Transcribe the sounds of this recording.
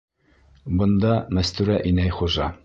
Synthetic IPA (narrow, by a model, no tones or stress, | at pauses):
bɤ̆nd̪ɑmæst̪ʉɾæʔinæjχuʒɑ